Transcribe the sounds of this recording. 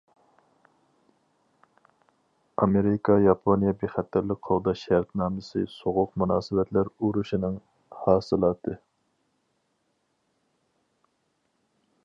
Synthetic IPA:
ɑmeɾɪkʰɑjɑpʰonijɛbeχɛt̪ʰːæɾlɪk̚ʲqʰold̪ɑʃɛɾt̪nɑːmɪsɨ̰soʁʊqmunɑːsɨvɛt̪ʰlæɾuɾuʃinɨŋ | hɑːsɨlˠɑːt̪ʰɨ

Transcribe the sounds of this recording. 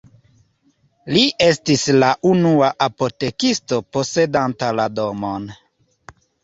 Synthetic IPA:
liʔestislaʔunuaʔapo̞te̞kisto̞po̞se̞dantalado̞mon

